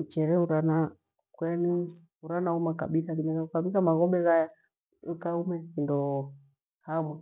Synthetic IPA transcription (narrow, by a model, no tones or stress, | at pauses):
ut͡ʃɛɾɛuɾana | kwɛni | uɾanaumaka̰ɓilakinɛaukaβikamaɣɔbɛɣaja | ukaumɛkindɔ | hamwɛ